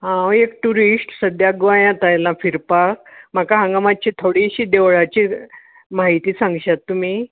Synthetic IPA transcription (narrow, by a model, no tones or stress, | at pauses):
ɦãekʈuɾiʂʈsəd̪jaɡʋajãt̪ajlãfiɾpak̚m̤akaɦãŋɡmat͡ɕit̪ʰoɽiɕiːd̪eʋɭat͡ɕi | maɦit̪iːsãŋɡɕat̪ːum̤i